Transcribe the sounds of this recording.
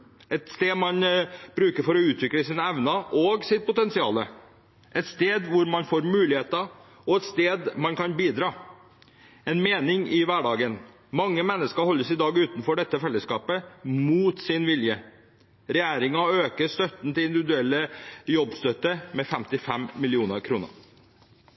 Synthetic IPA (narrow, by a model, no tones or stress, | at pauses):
ɛt̪st̪eːdmɑnb̥ɾʉːkəɾfɔɾɔʉːt̪ʰʋɪkləsɪːnɛʋnɑʔɔɡsɪt̪̚pʊt̪ɛnsɪɑ̰ːlə | ʔɛt̪st̪eːd̪ʋʊɾmɑnfoːɾmʉːlɪheːt̪ɑ | ɔɛt̪st̪eːd̪mɑnkɑnbiːd̪ɾɑː | ɛnmeːnɪŋɪʋæɖɑːɡən | mɑŋːəmɛnːəskəɾhɔlːəsɪd̪ɑːɡʉːt̪nfɔɖɛt̪ːəfɛlːəskɑːpəmuːt̪sɪnʋɪljə | ɾɛjæːɾɪŋɑøːkəst̪œt̪n̩t̪ɪlɪnd̪ɪʋɪd̪ʉɛlːəjɔbst̪œt̪ːəmɛfɛmt̪ɪfɛmmɪlɪuːnəɾkʰɾuːnə̰